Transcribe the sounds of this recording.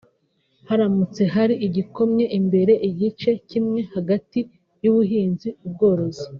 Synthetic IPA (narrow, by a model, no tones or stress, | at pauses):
haɾamut͡se̞ɦaɾiʔiɟiko̞mɲe̞ʔimbe̞ɾe̞ʔiɟit͡ʃe̞cimŋe̞haɡati | juβuɦiːnziub̚ɡo̞ːɾo̞zi